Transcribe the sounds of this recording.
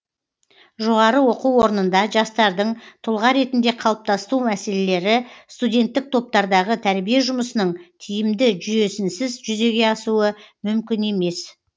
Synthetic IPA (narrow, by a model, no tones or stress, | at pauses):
ʒo̞ʁɑɾəwo̞quwwo̞ɾənənd̪ɑʒɑst̪ɑɾd̪əɴt̪ʰʊlˠʁɑɾe̞t̪ɪnd̪e̞qʰɑlˠəp̚t̪ɑst̪umæse̞le̞le̞ɾɪst̪udʲe̞nt̪ːɪk̚t̪ʰo̞p̚t̪ɑɾd̪ɑʁət̪ʰæɾbije̞ʒʊməsənəɴt̪ʰijɪmd̪ɪʒʏje̞sɪnsɪzʒʏze̞ɡʲe̞ɑsuəmʏmkʲɪne̞me̞s